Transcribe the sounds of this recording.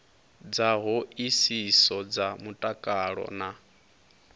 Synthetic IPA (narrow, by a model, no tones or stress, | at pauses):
d͡zaɦoisisɔd͡zamutʼakʼaɺɔ̰na